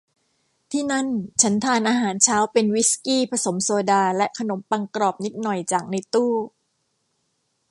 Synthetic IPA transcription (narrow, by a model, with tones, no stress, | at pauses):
t̪ʰiː˥˩na˥˩nt͡ɕʰa˦˥nt̪ʰaː˧nʔaː˧ɦaː˩˦nt͡ɕʰaː˦˥wpe˧nwi˦˥skiː˥˩pʰa˧so˩˦msoː˧daː˧lɛ˦˥ʔkʰa˧no˨˩˦mpa˧ŋkɾɔː˨˩p̚ni˦˥t̪̚nɔ˨˩jt͡ɕaː˨˩k̚na˧t̪uː˥˩